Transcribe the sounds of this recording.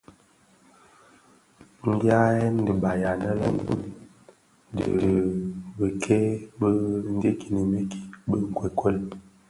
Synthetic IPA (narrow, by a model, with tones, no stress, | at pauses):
ŋ̩˦ɡa˦ɛ˦n˦də˨ba˨ja˨nə˦lə̰˦ŋ˦ṵ˦˨ | də̰˨ɾə˨bə˨kʰɛ˦bə˦n˦de˦ki˨nə˨me˦ki̥˨bə˦ŋ̩˨kwɛ˨kwə˦l